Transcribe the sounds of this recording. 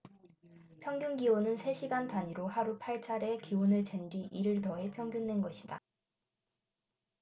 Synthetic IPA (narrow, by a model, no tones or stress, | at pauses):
pʰjʌŋɡjuŋɡionɯnsʰe̞ɕʰiɡantaɲiɾohaɾupʰaɭt͡ɕʰaɾe̞kiwonɯɭt͡ɕe̞ndɥiʔiɾɯɭtʌe̞pʰjʌŋɡjunde̞nɡʌɕʰida̰